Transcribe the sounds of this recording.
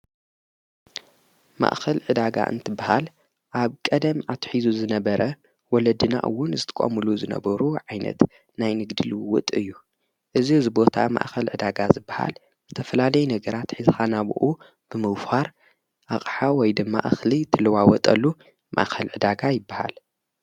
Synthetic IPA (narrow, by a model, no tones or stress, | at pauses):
ma̰ʔxɐlʕɨd̪aɡa̰ʔɨ̰nt̪ʰɨbːahal | ʔaβkʼɐd̪ɐmʕat̪ʰħizuzɨnɐbɐɾɐ | wɔlɐd̪ɨna̰ʔɨ̰wːʊnzɨt̪ʰɐ̥kʼo̰mɨluzɨnɐ̰bɐɾuʕajnɐ̰t̪ | najnɨɡd̪ɨlwʊt̪ʼɨjːu | ʔɨzizɨbo̞t̪ʰa̰ma̰ʔxɐlʕɨd̪aɡazɨbːaha̰l | zɨt̪ʰɐfɐlalɐjɛnɐɡɐɾat̪ħɨzxanaβ̰ʔu | b̥ɨmɨɡfaɾ | ʔaχʼħawɔjd̪ɨmːa̰ʔxlit̪ʰɨlɐwawɔt̪ʼɐlːu | mʔa̰ʔxʰɐlʕɨd̪aɡajɪbːaha̰l